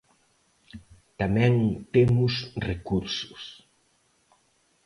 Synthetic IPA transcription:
t̪amɛ̃ŋt̪emʊsrekuɾsʊ̥s

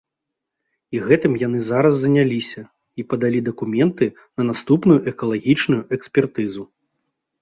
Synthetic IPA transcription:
iɣɛt̪ɨmjan̪ɨzaɾɐsːɐnʲalʲisʲɐ | ipɐd̪alʲid̪ɐkumʲɛnt̪ɨ | nɐnast̪upnujuʔɛkɐlˠaɣʲit͡ʂnujuʔɛksʲpʲɛrt̪ɨzu

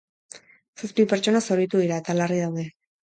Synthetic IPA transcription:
saspipeɾt͡ʃo̞nasoɾit̪uðiɾae̞t̪alarið̞awðe̞

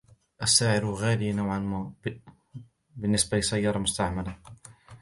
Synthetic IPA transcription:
ʔasːaːʕɪɾɣaːliːnawʕan | bɪnːɪsbalɪsajːɑːɾˤɑmʊst̪aʕmala

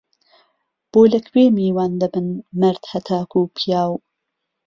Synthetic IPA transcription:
b̥oːlɐkʰweːmiːwaːnd̪ɐbɨnmɐɾd̪̥hɐt̪ʰaːkuːpʰijaːw

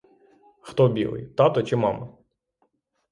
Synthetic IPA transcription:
xt̪ɔbʲḭlˠɪ̰jt̪ɑt̪ɔt͡ʃɪmɑmɐ

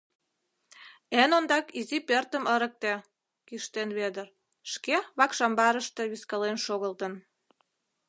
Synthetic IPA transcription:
enond̪ɑkizipert̪əməɾə̆k̚t̪e | kiʃt̪enβed̪ər | ʃkeβɑkʃɑmbɑɾəʃt̪eβiskəlenʃoɣəlt̪ən

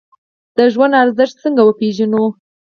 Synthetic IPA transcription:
d̪̥əʒwand̪aɾzəʃt̪̚t͡səŋɡawəpeʒanu

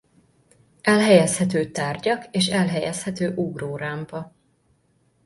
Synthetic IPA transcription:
ɛlɦɛjɛshɛt̪øːt̪aːrɟɒkeːʃɛlɦɛjɛshɛt̪øːʔuɡroːɾaːmpɒ

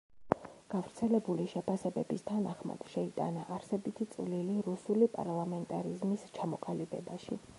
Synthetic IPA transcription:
ɡ̥avɾt̪sʰɛlɛbuliʃɛpʰasɛbɛbist̪ʰanaχma̰d̪̥ʃɛit̪ʼa̰naʔːɾsɛbit̪ʰit̪sʼvliliɾusulipʼa̰ɾlˠamɛnt̪ʼaɾizmist͡ʃʰamɔqʼalibɛ̰baʃḭ

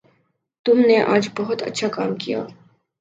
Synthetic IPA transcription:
t̪ʊmneʔa̰ːd͡ʒbɔɦʊt̪ɐ̰tːʃʰakaːmkija̰ː

